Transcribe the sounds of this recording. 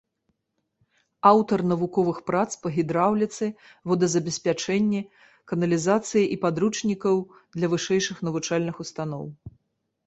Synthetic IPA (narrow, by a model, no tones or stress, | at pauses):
awt̪ɐrnɐvukɔvɨxpɾat̪spɐɣʲid̪ɾawlʲit̪sɨ | vɔd̪ɐzɐbʲɛsʲpʲat͡ʂɛnʲːɛ | kɐnɐlʲizat̪sɨjiʔipad̪ɾut͡ʂnʲikɐw | d̪lʲɐvɨʂɛjʂɨxn̪ɐvut͡ʂalʲnɨxust̪anɔ̰w